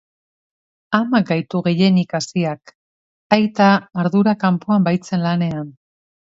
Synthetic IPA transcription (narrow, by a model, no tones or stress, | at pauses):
amak̚ɡajt̪uɣe̞je̞nikasiak | ajt̪aːɾðuɾakampuambajt͡se̞nlane̞an